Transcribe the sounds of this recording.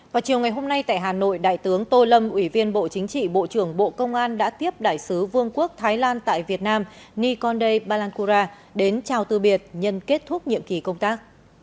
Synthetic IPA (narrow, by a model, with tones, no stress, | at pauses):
vaː˨˩wt͡ɕi˨˩əwŋa˨˩jɦo˧mna˧jt̪a̰ː˧˨jɦaː˨˩no̰˧˨jɗa̰ː˧˨jt̪ɨ˨˦əŋt̪o˧lə˧mʔwi˧˩vi˧ənɓo̰˧˨t͡ɕï˨˦ŋ̟t͡ɕḭ˧˨ɓo̰˧˨t͡ɕɨ˧˩əŋɓo̰˧˨kə˧wŋ͡mʔaː˧nɗa̰ː˧˥t̪i˦˥əp̚ɗa̰ː˧˩jsɨ˨˦vɨ˧əŋku˦˥ək̚t̪ʰaː˨˦jlaː˧nt̪a̰ː˧˨jvi˨˩ət̚naː˧m | ni˧kɔ˧nɗə˧jɓaː˧laː˧nku˧zaː˧ | ɗe˨˦nt͡ɕaː˧˩wt̪ɨ˧ɓi˨˩ət̚ɲə˧nke˦˥t̚t̪ʰʊ˦˥k͡p̚ɲḭ˧˨əmki˨˩kə˧wŋ͡mt̪aː˦˥k̚